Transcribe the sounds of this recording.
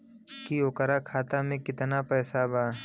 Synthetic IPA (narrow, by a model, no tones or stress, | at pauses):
kiʊkəɾakʰaːt̪amẽkɪt̪napɛːsabaː